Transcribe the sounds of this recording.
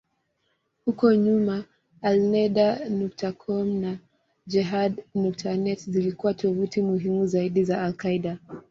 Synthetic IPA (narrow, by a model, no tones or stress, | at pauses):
hukɔɲumaː | lnɛɗanɔk̚takʰɔmna | d͡ʒɛɦadnɔk̚tʰanɛtzilikuwatʰɔvutimuɦimuzaiɗizaːlkaiɗa